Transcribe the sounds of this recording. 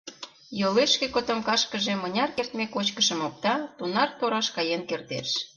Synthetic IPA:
joleʃkekot̪ŏmkɑʃkəʒĕmənʲɑrkert̪mekot͡ɕkəʃə̆mok̚t̪ɑt̪unɑrt̪oɾɑʃkɑjenkert̪ḛʃ

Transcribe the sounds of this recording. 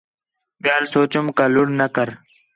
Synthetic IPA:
bjaːlsoːt͡ɕumkaluɽnɐkəɾ

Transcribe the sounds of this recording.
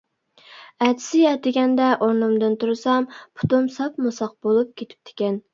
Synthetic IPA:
æt̪ʰɪ̥sɪɛt̪ɪɡʲɛnd̪ɛʔoɾnɨmd̪ɨnt̪uɾsɑmpʰʊ̥t̪umsɑpmusɑq̚bolˠup̚kʲʰet̪ʰɪ̥p̚t̪ʰɪ̥kʲɛn

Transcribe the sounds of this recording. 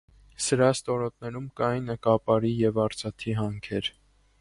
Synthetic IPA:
səɾɑst̪ɔɾɔt̪̚nɛɾumkɑjnɛkɑpɑɾijɛvɑɾt͡sʰɑt̪ʰiɦɑŋkʰɛɾ

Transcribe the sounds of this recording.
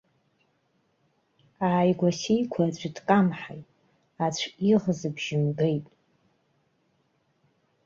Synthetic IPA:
aːjɡʷasijkʷʰat͡ɕʷʰʼidkʼamħa̰jtʼ | at͡ɕʷʰiʁzɨbʒ̥ɪmɡejtʼ

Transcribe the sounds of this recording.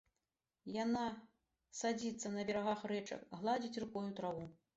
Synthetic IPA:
jana | sad͡zʲit̪sːɐnɐbʲɛɾaɣaxrɛt͡ʂɐ̰kɣlˠad͡zʲit͡sʲrɨkɔjut̪ɾavu

